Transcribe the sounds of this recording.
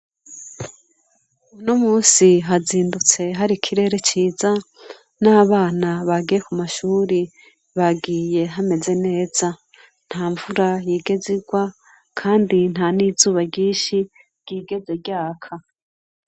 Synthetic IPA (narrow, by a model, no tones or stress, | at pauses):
unomuːsiɦaziːndut͡se̞ɦaɾikʰiɾe̞ːɾe̞t͡ʃiːza | naːβaːnaβaɡijekumaʃuːɾi | βaɡiːje̞ɦame̞ze̞ne̞ːz̥a | n̥haːɱvuɾajiːɡe̞ziɡwa | kʰaːndin̥haniːzuːβaɟiːʃi | ɡ̥iːɡe̞ze̞ɟaːkʰa